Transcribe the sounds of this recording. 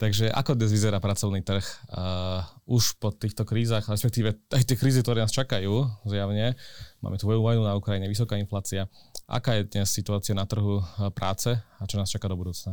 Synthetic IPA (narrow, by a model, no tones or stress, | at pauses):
t̪aɡʒɛʔa̰kɔd̪ɲɛzʋizɛɾaːpɾat͡sɔʊnit̪r̩x | uʃpɔt̪iːxt̪ɔkɾiːzaːxɾɛspɛk̚t̪iːʋɛajt̪ɪɛkɾiːzik̚t̪ɔɾɛːnaːst͡ʃakajuːzjaʋɲɛma̰ːmɛt̪ʋɔjuʋɔjnunaukɾajiɲɛʋis̬ɔkaːinflaːt͡siaʔa̰kaːjɛd̪ɲɛsːit̪uaːt͡siɪanat̪r̩ɦupɾʔa̰ːt͡sɛat͡ʃɔnaːst͡ʃakad̪ɔbud̪uːt͡sna